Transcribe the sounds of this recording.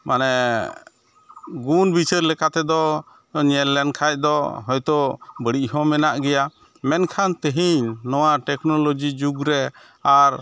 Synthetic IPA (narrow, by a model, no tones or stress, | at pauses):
manɛ | ɡunbit͡ʃʰəɾlɛkat̪ɛd̪ɔ | ɲɛlɛnkʰaj̚d̪ɔɦɔjt̪ɔbəɽiʔɦɔ̃mɛnaʔɡɛja | mɛnkʰant̪əɦiɲnɔwaʈɛknɔlod͡ʒid͡ʒuɡɾɛ | aɾ